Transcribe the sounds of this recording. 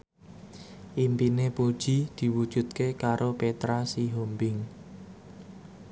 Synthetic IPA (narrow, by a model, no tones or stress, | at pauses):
ʔimpinepod̥ʒ̥i̤d̪̥i̤wud̥ʒ̥ṳt̪̚kekaɾopet̪ɾasiɦombɪŋ